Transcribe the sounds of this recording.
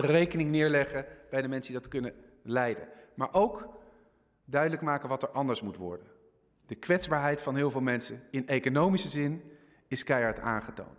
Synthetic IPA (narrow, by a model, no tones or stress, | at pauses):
rejkənɪŋnɪːɹlɛχəb̥ɛjdəmɛnsədidɑtkɵnə | lɛjdə̰maːɹʔowk | dœɥdələkmaːkənʋɑtɛɹʔɑndəɹsmutʋɔ̰ɹdən | d̥əkʋɛtzbaːɹɦɛjtfɑnɦɪːlˠvɪːlˠmɛnsəɪnejkonowmisəzɪn | ɪskɛjɑɹta̰ːnχəto̰wnt